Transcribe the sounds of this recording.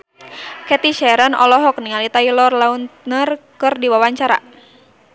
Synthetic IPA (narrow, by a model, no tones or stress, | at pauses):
kɛt̪iʃɛɾənɔ̰lɔɦɔk̚niŋalit̪ailɔrlaunt̪nərkɨrdiwawaɲt͡ʃaɾa̰